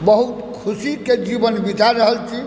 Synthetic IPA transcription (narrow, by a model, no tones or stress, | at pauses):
bəɦut̪kʰusiked͡ʒibənbit͡ʃaɾːəɦəlt͡ʃʰi